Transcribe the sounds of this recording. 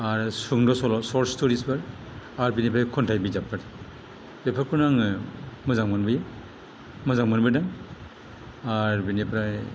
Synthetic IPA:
aɾsuŋdɔsɔlɔsɔɾstuɾisbɯɾ | aɾbinipʰɾajkʰɔntʰajbizapʰaɾ | b̥epʰaɾkʰɔnaŋɯmɯzaŋmɯnbɯja | mɯzaŋmɯnbɯnaŋ | aɹbinipʰɾaj

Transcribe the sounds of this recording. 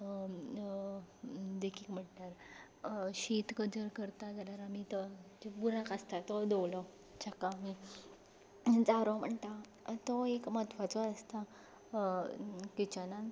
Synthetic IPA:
d̪ekʰikm̤əɳʈaɾ | ɕit̪kəd͡zəɾkəɾt̪ad͡zəɾaɾamit̪əd͡ʑebuɾãkəst̪at̪ɔd̪owlɔ | t͡ɕakami | d͡zaɾõm̤əɳt̪a | t̪ɔekmət̪ʰʋat͡sɔəst̪a | kit͡ɕana

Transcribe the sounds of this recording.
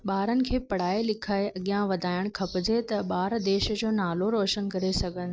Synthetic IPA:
ɓaːɾənɪ̆kʰeːpɐɽ̤aːelɪkʰaːeʔɐɠijãʋɐd̪ʱaːɪɽ̃kʰɐpəd͡ʑʱet̪ɐɓaːɾd̪eːʃd͡ʑoːnaːloɾoːʃənkɐɾesɐɡʱə̃n

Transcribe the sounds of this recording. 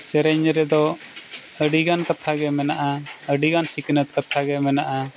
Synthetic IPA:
sɛɾɛɲɾɛd̪ɔ | əɖiɡankat̪ʰaɡɛmɛnaʔaəɖiɡansiknət̪̚kat̪ʰaɡɛmɛnaʔa

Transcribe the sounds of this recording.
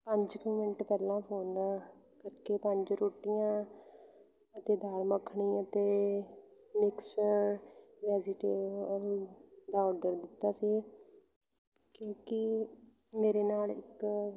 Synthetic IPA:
pəɲd͡ʒkũːmɪʈpɛːlːãːpʰoːnd̪aː | kəɾkeːpəɲd͡ʒɾoːʈɪjãː | ət̪eːd̪aːɽməkʰːɳiːət̪eː | mɪksəɾʋɛːzɪʈeːʋəld̪aːɔːɖəɾd̪ɪt̪ːaːsiː | kjõːkɪ | meːɾeːnaːlɪk

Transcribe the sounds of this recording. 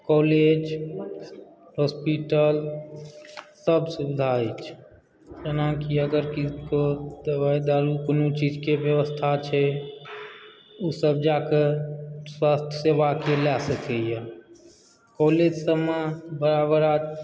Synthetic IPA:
kɔled͡ʒ | hospiʈəl | səbsubid̪ʱaet͡ʃʰ | d͡ʒənakiəɡəɾkikod̪əbajd̪aɾukonot͡ʃid͡ʒkebjəʋəst̪ʰat͡ʃʰɛ | usəb̚d͡ʒakeswast̪ʰjəsebakelasəkɛja | kɔled͡ʒsəmebəɾabəɾa

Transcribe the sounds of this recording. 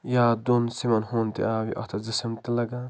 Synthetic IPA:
jaːd̪unsimɐnɦont̪ḭaːwiʔɐ̰t̪ʰɐzisɐmt̪ilɐɡa

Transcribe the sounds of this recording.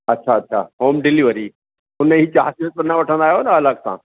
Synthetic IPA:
ɐtːʃʰaɐtːʃʰa̰ɦoːmɖɪliʋəɾi | ʊnəɦit͡ɕaːɦsit̪ənãʋɐʈʰə̃nd̪aːɦjoːnəɐləksã̰ː

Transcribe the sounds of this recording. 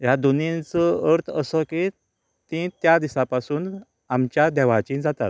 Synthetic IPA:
jad̪unint͡səəɾt̪ʰəsəki | t̪ĩt̪jad̪isapasuːn | amt͡ɕjad̪ɛʋat͡ɕĩd͡zat̪at̪

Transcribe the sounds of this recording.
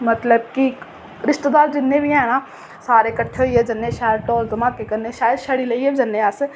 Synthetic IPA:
mət̪ləb̚ki | ɾɪʃt̪ed̪aːɾd͡ʒɪnːebʱiɛ̃ːnãː | saːɾekəʈʰːeijeːd͡ʒɐnːeʃaːjəd̪ʈoːld̪ɐmaːkekəɾneʃaːjəd̪ʃəɽileieːbd͡ʒɐnːeas

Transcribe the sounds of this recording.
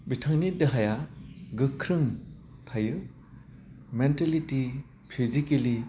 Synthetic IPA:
bitʰaŋnidɯɦajaɡɯkʰɾɯŋtʰajɯ | menteliti | pʰizikeli

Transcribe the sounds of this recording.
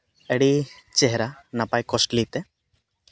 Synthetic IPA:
ɛɽit͡ʃɛɦɛɾanapajkɔsʈlit̪ɛ

